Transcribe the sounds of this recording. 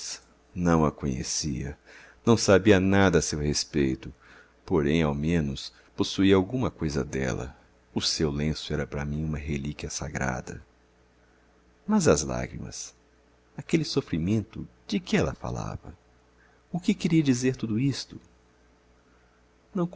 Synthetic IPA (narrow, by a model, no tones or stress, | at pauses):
nɐ̃w̃ɐkõɲḛsiɐ̰ | nɐ̃w̃sabiɐnad̪ɐːsewhespejt̪ʊ | poɾẽj̃awmẽnʊs | posuiɐawɡũmɐkojzɐd̪ɛ̰lɐ̰ | ʊsewlẽsʊɛɾɐpɾɐ̰mĩũmɐɦelikiɐsaɡɾa̰d̪ɐ̰ | mɐzɐzla̰ɡɾḭmɐ̰s | akelɪsofɾimẽnt̪ʊd͡ʒɪkɪɛlɐfa̰la̰vɐ̰ | ʊkɪkɪɾiɐd͡ʒizeɾt̪ud̪ʊist̪ʊ | nɐ̃w̃k